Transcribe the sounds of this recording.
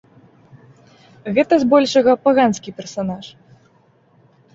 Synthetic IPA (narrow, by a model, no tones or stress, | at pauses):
ɣɛt̪ɐzbɔlʲʂɐɣɐpaɣanskʲipʲɛrsanaʂ